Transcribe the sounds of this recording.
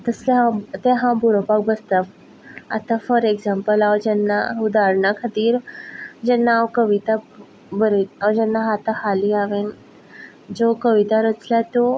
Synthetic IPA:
t̪əst̪eɦãt̪eɦãbuɾopak̚bəst̪ap | a̰t̪afəɾeɡd͡zampəlawd͡ʑɛnːaud̪aɾɳakʰat̪iːɾd͡ʑɛnːawkəʋit̪a | bəɾeawd͡ʑɛnːaɦat̪ahaliaʋen | d͡zokəʋit̪aɾət͡sljat̪o

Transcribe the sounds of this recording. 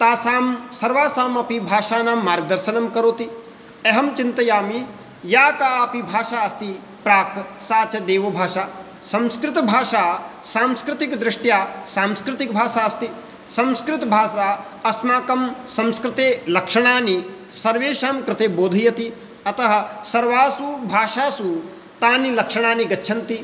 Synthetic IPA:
t̪aːsaːmsɐɾʋaːsaːmɐpibʱaːʃaːnaːmːaːɾɡ̚d̪ɐɾʃɐnɐmkɐɾoːt̪i | ɐɦɐmt͡ʃint̪ɐjaːmi | jaːkaːɐpibʱaːʃaːɐst̪i | pɾaːksaːt͡ʃɐd̪eːʋɐbʱaːʃaː | sɐmskɾɪt̪ɐbʱaːʃaːsaːmskɾɪt̪ikd̪ɾɪʂʈjaːsaːmskɾɪt̪ik̚bʱaːʃaːɐst̪i | sɐmskɾɪt̪ɐbʱaːʃaː | ɐsmaːkɐmsɐmskɾɪt̪eːlɐkʂɐɳ̃aːni | sɐɾʋeːʃaːmkɾɪt̪eːboːd̪ʱɐjɐt̪i | ɐt̪ɐɦɐ̆sɐɾʋaːsubʱaːʃaːsu | t̪aːnilɐkʂɐɳ̃aːniɡɐtːʃʰɐnt̪i

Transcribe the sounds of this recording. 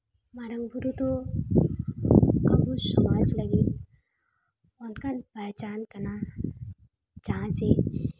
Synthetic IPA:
maɾəŋɡbʱuɾut̪o | ə̰busəmad͡ʒləɡin | ɔnkanbət͡ʃankəna | d͡ʒaɦãt͡ʃe

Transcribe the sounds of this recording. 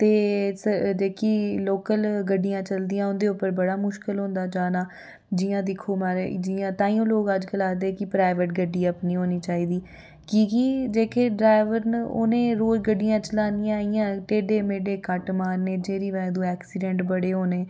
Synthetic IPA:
t̪eːsəd͡ʒeːkiːloːkəlɡəɖijãːt͡ʃəld̪ijãːʊnd̪eːʊpːəɾbəɽaːmʊʃkəlɦõːnd̪aːd͡ʒaːnaː | d͡ʒiːãːd̪ɪkʰoːmaːɾed͡ʒiãːt̪ãːiːõːloːɡəd͡ʒkəlaːd̪eːkɪpɾaːɪʋəʈɡəɖːiːəpnĩːɦoːniːt͡ʃaːiːd̪iː | kiːkid͡ʒeːkʰeːɖɾaːɪʋəɾno̰ːnẽːɾoːd͡ʒɡəɖːɪjãːt͡ʃəlaːnijãːijãːʈeːɖeːmeːɖeːkəʈmaːɾneːd͡ʒeːɾiːʋɛːd̪ũːɛːksiːɖɛ̃ːɳʈbəɽeːɦoːneː

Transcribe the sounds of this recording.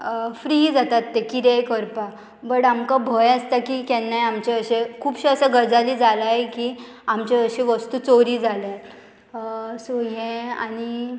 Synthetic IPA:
fɾiːd͡zat̪at̪ːekiɾejkəɾpa | bəɽamkabʱəjəst̪akiːkɛnːajamt͡ɕeəɕekʰuːpɕeəsəɡəd͡zaliːd͡zʱalaɦeki | amt͡ɕeəɕeʋəst̪uːt͡soɾiːd͡zʱale | soɦɛ̃a̰ñi

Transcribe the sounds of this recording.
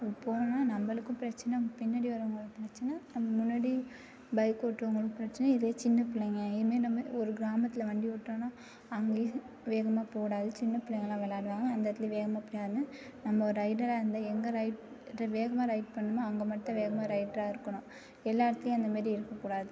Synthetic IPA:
poːnɐ̃naːnɐmbɐɭɯkːɯ̃pɪɾɐt͡ʃːɐnɐʊŋɡɐpɪnːɐɽiʋɐɾɐʋɐŋɡɐɭpɪɾɐt͡ʃːɐnɐnɐmːɐmʊnːɐɽi | bɐɪkːoːʈːɯʋɐŋɡɐɭɯkːɯpɪɾɐt͡ʃːɐnɐɪðɪleːt͡ʃɪnːɐpɪlːɐŋɡɐɪðɯmeːnɐmːɐɔɾɯɡɪɾaːmɐt̪ːɪlɐʋɐɳɖiʋɔʈːõːnaː | ɐŋɡẽ | ʋeːɣɐmaːpoːɽaːðɯt͡ʃɪnːɐpɪlɐŋɡɐlãːʋɐlaːɽɯʋaːŋɡɐːnd̪ɐɾɐt̪ːɪleʋeːɣɐmaːpɪɽjaːnɯnɐmːɐɔɾɯɾɐɪʈɐlaːɪɾɯnd̪ɐɛŋɡɐɾɐɪʈ | ɾɐʋeːɣɐmaːɾɐɪʈ̚pɐɳːɯmaɐŋɡɐmɐʈːɐ̃ʋeːɣɐmaːɾɐɪʈɐɾaːɪɾɯkːɐɳʊ̃ | ɛlːaːɾɐt̪ːɪlʊ̃ɐnd̪ɐmaːd̪ɾiɪɾɯkːɐkːuːɽaːðɯ

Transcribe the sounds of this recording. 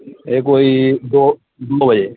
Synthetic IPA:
ek̬oid̪o | d̪obʱəd͡ʒe

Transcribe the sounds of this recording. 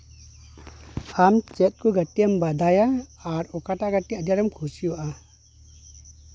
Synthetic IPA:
amt͡ʃɛt̪̚kuɡatiambad̪ajaaɾɔkataɡatːiad̪jaɾɐmkʰusijuʔa

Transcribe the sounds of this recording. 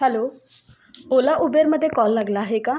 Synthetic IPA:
hɛloː | oːlaʔubeɾməd̪ʱekɔːlːəɡlaɦeka

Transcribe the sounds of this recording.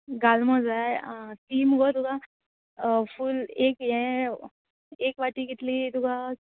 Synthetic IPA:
ɡalməd͡zat̪iːmɡɔd̪uɡa | fulekjɛ̃ | ekʋaʈiːɡit̪lid̪uɡa

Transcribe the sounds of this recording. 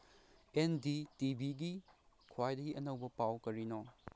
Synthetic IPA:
enditibiɡi | kʰwajdɐɡiʔɐnɐwbɐpawkɐɾino

